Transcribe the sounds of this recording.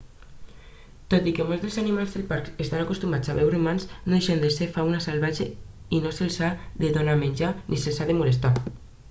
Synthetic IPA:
t̪ot̪ikemolzðelzanimalzðelpaɾkest̪anakust̪umat͡saβɛwrimanznoðeʃend̪esefawnasalβad͡ʒe | inoselsaðeðonamenʲd͡ʒaniselsaðemulest̪a

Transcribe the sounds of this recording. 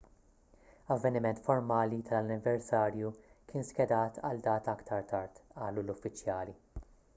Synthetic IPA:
ɐvːɛnɪmɛnt̪fɔɾmɐːlit̪ɐlɐnːɪvɛɾsɐːɾjukɪːnskɛd̪ɐːt̪ʰɐ̰ld̪ɐːt̪ɐkt̪ʰɐɾt̪ɐɾt̪ɐːlulʊfːɪt͡ʃːjɐːli

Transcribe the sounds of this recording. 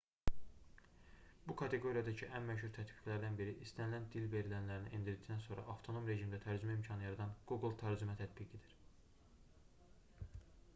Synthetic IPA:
b̥ukʰɑt̪ʰe̞ɡo̞ɾijɑd̪ɑcʰiʔænmæʃhuɾt̪ʰæt̪bi̥ɡlæɾd̪ænbiɾiʔist̪ʰænilænd̪ilve̞ɾilænlæɾiniʔind̪iɾd̪i̥ct̪ænso̞nɾɑ̰ʔɑft̪ʰo̞no̞mɾe̞ʒimd̪æt̪ʰæɾd͡ʒymæimcʰɑnɯjɑɾɑd̪ɑnɡ̥uɡlˠt̪ʰæɾd͡ʒymæt̪ʰæt̪biɡed̪iɾ

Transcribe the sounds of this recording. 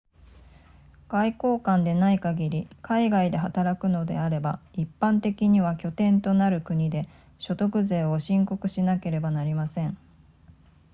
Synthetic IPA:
ɡ̥aiko̞ːkãnd̪e̞naikaɡʲiɾʲikʰaiɡaid̪e̞ɦat̪aɾakɯ̟no̞d̪e̞̰aɾe̞baipːãnt̪e̞kʲiɲ̟iβ̞akʲo̞t̪ẽ̞nt̪o̞naɾɯ̟kɯ̟ɲ̟id̪e̞ | ɕo̞t̪o̞kɯ̟ze̞ːo̞ɕĩŋko̞kɯ̟ɕinake̞ɾe̞banaɾʲimasẽ̞ɴ

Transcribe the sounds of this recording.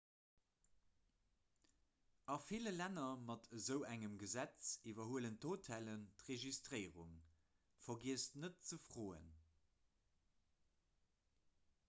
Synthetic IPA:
ɑfiləlænɐmɑtʰəzəʊʔæŋəmɡəzæt͡sivɐɦuələntʰotʰæləntʁeʒistʁəɪʁuŋ | fɐɡiəstnət̚t͡səfʁoːə̰n

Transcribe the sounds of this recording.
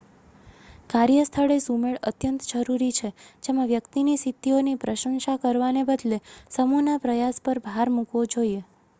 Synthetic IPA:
kaɾjəst̪ʰəɭesumeɭət̪jənt̪d͡ʒəɾuɾit͡ʃʰed͡ʒemãʋjəkt̪inisit̪ːionipɾəʃə̃ŋʃakəɾʋanebəd̪lesəmunapɾəjaspəɾbʱaɾmukʋod͡ʒoie

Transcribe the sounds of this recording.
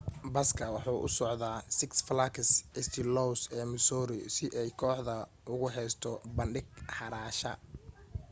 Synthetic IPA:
bɐskʰɐwɑħuːʔʊ̰sɔʕðaːsɪksflakʰɐsɪst̪ʰɪlɔwsɛːmɪsɔːɾɪ̰sɪʔɛjkʰɔːħðɐ | ʊɣʊɦɛjst̪ʰɔbɐnɖɪɡħɑɾaːʃɐ̰

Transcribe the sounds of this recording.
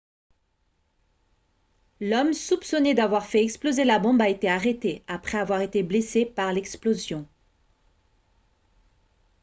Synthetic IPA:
lɔmsupsɔnɛd̪avwaʁfɛɛksplozelabɔ̃baet̪eaʁet̪eapχɛavwaʁet̪eblesepaʁlɛksplozjɔ̃

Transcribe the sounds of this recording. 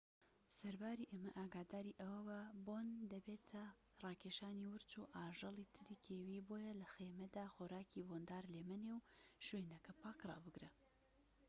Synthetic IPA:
sɐɾbaːɾiʔeːmɐʔaːɡaːd̪aːɾiʔɐwɐwɐbond̪ɐbeːt̪ʰɐ | rˤɑːkʰeʃaːniwɨɾt͡ʃuʔaːʒɨlˠit̪ʰɨɾiːkʰeːwiːboːjɐlɐxeːmɐd̪aːxoɾaːkibond̪aːɾleːmɐnewʃweːnɐkɐpʰaːkrˤɑ̰ːbɨɡɾe

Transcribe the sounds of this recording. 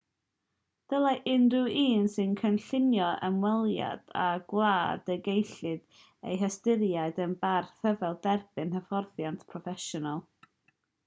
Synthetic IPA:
d̥əlˠaʔɪnrɨʔiːnsɨnkʰənɬɪnjɔʔə̰mwɛlˠja̰d̥a̰ɡ̥lˠaːd̥əɡejɬɨd̥ | ḛjɦəstɪɾjaɨdənbarθəvɛlˠdɛrb̥ɨnhəfɔrθjantʰpʰrɔfɛʃɔnalˠ

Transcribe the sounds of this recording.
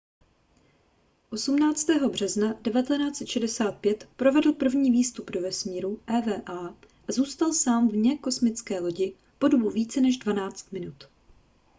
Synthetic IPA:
ʔo̞sumnaːt͡st̪ɛːɦo̞br̝̥ɛznadɛvat̪ɛnaːt͡sɛt̪ʃɛdɛsaːt̪̚pjɛt̪pɾo̞vɛdl̩pr̩vɲiːviːst̪updovɛsmiːɾuʔɛːvɛːʔaː | ʔazuːst̪alsaːmvɲɛko̞smɪt͡skɛːlo̞ɟɪ | po̞dobuviːt͡sɛnɛʒdvanaːt͡st̪mɪnut̪

